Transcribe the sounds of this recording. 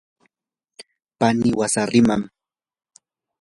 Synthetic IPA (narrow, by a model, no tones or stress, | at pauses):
panɪwasaɾɪmam